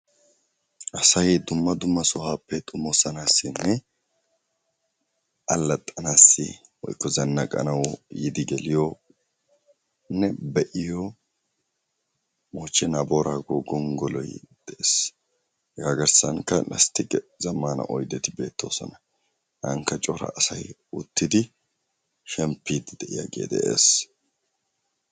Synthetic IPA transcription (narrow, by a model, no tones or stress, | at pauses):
ʔɐsɐjd̪ʊmːɐd̪ʊmːɐsɔhaːpːɛt̪ʼʊmːɔsɐnaːsːɪnːɛ | ʔɐlːɐt̪ʼːɐnaːsːɪ̰wɔ̰jkːɔzɐnːɐkʼɐ̰nɐwjɪd̪ɪɡɛlɪjo | nːɛbɛʔɪjo | moːt͡ʃːɛnaboːɾaːɡoːɡɔŋɡɔlɔjd̪̥ɛʔeːs | ɡaːɡɐɾsɐŋkɐlɐ̰st̪ɪkʼɛzɐmːaːnɐ̰ʔɔjd̪ɛt̪ɪbe̞ːt̪ːo̞̰ːsɔnɐ | hɐŋkːɐt͡ʃʼɔɾɐ̰ːsɐjʊt̪ːɪd̪ɪ | ʃɛmpːiːd̪d̪ɛʔɪ̰ja̰ɡḛːd̪ɛʔḛːs